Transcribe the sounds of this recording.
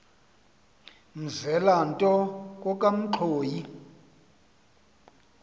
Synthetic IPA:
m̩zɛlantʼɔk̬ʼɔkʼam̩ǃʰoːji

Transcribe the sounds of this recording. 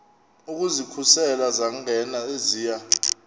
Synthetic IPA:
uk̬ʼuzikʰusɛlazaŋɛnaeziːja

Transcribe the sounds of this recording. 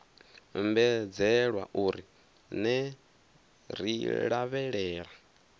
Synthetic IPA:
mbɛd͡zɛɺwa̰ʔuːɾi | nɛ | ɾḭɺaβɛɺɛːɺa

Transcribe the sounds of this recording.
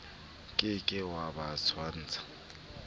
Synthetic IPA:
kʼɪkʼɪwabat͡sʰwan̩ːt͡sʰʼḁ

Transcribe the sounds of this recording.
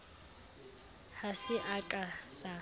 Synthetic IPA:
hasɪʔakʼasa

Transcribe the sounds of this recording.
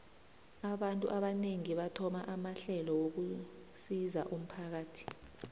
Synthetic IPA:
aɓantʼuʔaɓaneŋiɓatʰɔmaʔamaɬɛlɔwok̬usizaʔum̩pʰak̬aːtʰi̥

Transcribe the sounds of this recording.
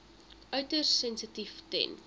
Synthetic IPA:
œɥtərːɛnsətiftɛ̰n

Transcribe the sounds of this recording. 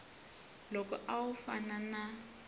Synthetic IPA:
lɔkɔ̰ʔawufanana

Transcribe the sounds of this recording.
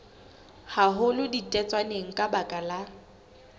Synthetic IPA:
haɦʊlɪditʼɛt͡sʼwaneŋ̩kʼabakʼala

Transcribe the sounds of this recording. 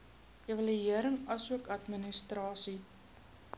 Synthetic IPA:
ivɐliiəɾəŋɐsuəkɐtminəstrɑːsi

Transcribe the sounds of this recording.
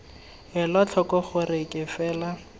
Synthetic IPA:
ɦɪlɔt͡ɬʰɔkʼɔχʊrɪkʼɪfɛːla

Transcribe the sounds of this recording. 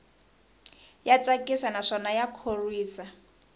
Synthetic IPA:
jat͡sʼakʼisanaʂɔnajakʰorwiːsa

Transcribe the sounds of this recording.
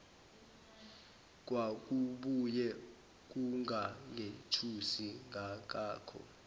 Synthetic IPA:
k̬ʼwak̬ʼuɓujɛ | k̬ʼuŋʱaŋʱetʰusiŋʱak̬aːkʰɔ̰

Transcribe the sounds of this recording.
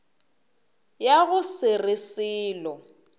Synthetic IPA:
jaɣʊsɪrɪsɪːlɔ

